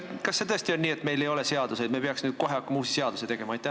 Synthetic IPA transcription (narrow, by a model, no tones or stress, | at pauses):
kɑsːe̞t̪ɤst̪io̞nʲːiːet̪ːˑme̞jlejo̞le̞se̞ɑd̪̥usejd̪mepeɑksnyːd̪̥̚ko̞ɦeɑkːɑmuːsise̞ɑd̪uset̪e̞ɡ̥e̞mɑɑjt̪ːæ